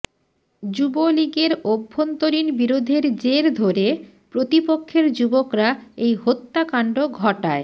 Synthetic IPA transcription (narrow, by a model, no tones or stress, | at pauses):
d͡ʑuboliɡeɾobʱːont̪oɾinbiɾod̪ʱeɾd͡ʑeɾd̪ʱoɾe | pɾot̪ipokʰːeɾd͡ʑubokɾaejɦot̪ːakaɳɖoɡʱɔʈae